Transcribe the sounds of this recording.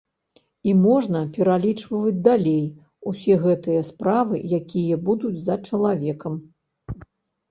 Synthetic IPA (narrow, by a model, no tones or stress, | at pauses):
imɔʐnɐpʲɛɾalʲit͡ʂvɐvɐd͡zʲd̪alʲej | usʲɛɣɛt̪ɨjɐspɾavɨ̰jakʲijɐbud̪ud͡zʲzɐt͡ʂɐlˠavʲɛkɐm